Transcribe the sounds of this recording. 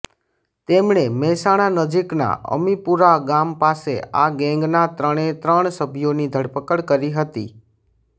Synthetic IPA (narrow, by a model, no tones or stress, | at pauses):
t̪emɳemɛɦsaɽ̃anəd͡ʒikna̰ʔə̰mipuɾaɡampasḛaɡɛ̃ŋɡnat̪ɾəɽ̃et̪ɾəɳ̃səbʱijonid̪ʱəɽpəkəɽkəɾiɦət̪ḭ